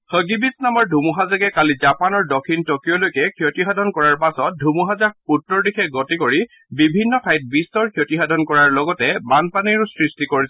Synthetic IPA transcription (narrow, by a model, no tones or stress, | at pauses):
xəɡibisnamɔɹdʱumuɦazakɛkalizapanɔɹdɔkʰintɔkijɔlojkɛkʰjotiɦadʱɔnkɔɹaɹpasɔt̚dʱumuɦazakutːɔɹdixɛɡɔtikoɹi | bibʱinːɔtʰajt̚bistɔɹkʰjotiɦadʱɔnkɔɹaɹlɔɡɔtɛbanpaniɹʊsɹistikoɹisɛ